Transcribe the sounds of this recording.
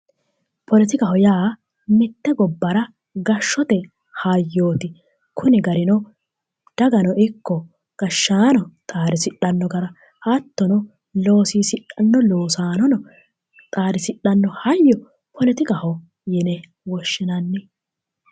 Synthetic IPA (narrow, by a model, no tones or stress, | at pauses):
pʰɔlɪt̪ɪkɐhɔjaː | mɪt̪ːɛɡɔbːɐɾɐ | ɡɐʃːɔt̪ɛ | hajːoːt̪ɪ | kʰʊnɪɡɐɾɪnɔ | d̪̥ɐɡɐnɔʔɪkːɔ | ɡ̥ɐʃːaːnɔt̪ʼaːɾɪsɪɗːɐnːɔɡɐɾɐ | hɐt̪ːɔnɔ | loːsiːsɪᶑɐnːɔloːsaːnɔnɔ | t̪ʼaːɾɪsɪᶑːɐnːɔhɐjːɔ | pʰɔlɪt̪ɪkɐhɔ | jɛnɛ | wɔʃːɪnɐnːɪ